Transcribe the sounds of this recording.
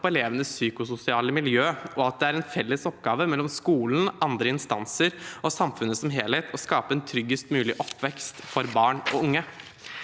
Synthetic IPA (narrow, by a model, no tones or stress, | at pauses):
pɔɛleːʋənəssyːkʊsʊsɪɑːləmɪljøːʔɔɑt̪̚d̪ɛæɾɛnfɛlːəsɔpɡɑːʋəmɛlːɔmskuːln̩ʔɑnd̪ɾəɪnst̪ɑnsəɾʔɔsɑmfʉnːəsɔmɦeːlheːt̪ʰɔskɑːpəɛnt̪ʰɾʏɡəst̪mʉːlɪʔɔpːʋɛkst̪fɔɾbɑːɳɔʊŋːə